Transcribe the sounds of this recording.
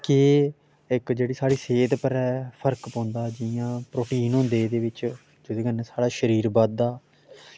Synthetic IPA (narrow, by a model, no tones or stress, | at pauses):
kɪː | ɪkd͡ʒeːɽiːsaːɽiːseːd̪pəɾɛːpʰəɾkpɔ̃ːnd̪aːd͡ʒɪjãːpɾoːʈiːnɦõnd̪eːd̪eːʋɪt͡ʃ | d͡ʒod̪eːkənɛːsaːɽaːʃəɾiːɾbaːd̪aː